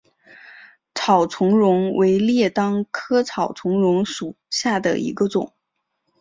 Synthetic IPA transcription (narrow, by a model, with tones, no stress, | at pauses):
t͡sʰɑ˨˩ʊt͡sʰʊ˧˥ŋɻʊ˧˥ŋwʔe˧˥ɪljɛ˥˩t̪ɑ˥ŋkʰɤ˥t͡sʰɑ˨˩ʊt͡sʰʊ˧˥ŋɻʊ˧˥ŋʂu˨˩ɕja˥˩d̪ə̰˩ḭ˧˥ɡə˧ʈ͡ʂʊ˨˩˦ŋ